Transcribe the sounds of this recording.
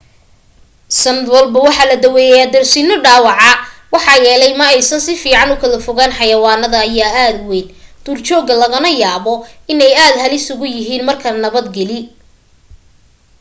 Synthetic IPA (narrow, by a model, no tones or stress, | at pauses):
sɐnɐd̪wɐlbɐwɑħɑːlɐd̪ɐwɛːjɛjaːd̪ɐrsiːnɔɖaːwɑʕɑwɑħɑːjɛːlɛjmɐɛjsɐnsɪfiːʕɑnʊkʰɐlɐfʊɣaːnħɑjɐwɑːnɐðɐːjaːaːd̪wɛjnd̪̥uːrt͡ʃɔːɣɐlɐɣɐnɐjaːβɔɪnɛjaːd̪hɐlɪsʊɣʊjɪɦiːnmɐrkʰɐnɐβɐd̪ɡɛlɪ